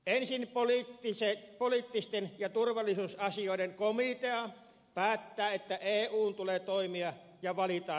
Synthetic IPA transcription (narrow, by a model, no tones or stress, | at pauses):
ensinpolit̪ːisepolit̪ːist̪enjɑt̪urʋɑlːˑisuːsɑsioˑideŋkomit̪eɑ | pæːt̪ːæːet̪ːæʔeːuːnt̪ulet̪oˑimiɑ | jɑʋɑlit̪ɑː